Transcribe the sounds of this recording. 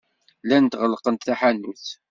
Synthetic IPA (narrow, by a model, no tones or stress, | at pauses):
lænt̪ʁəlːqənt̪θaħanːuθ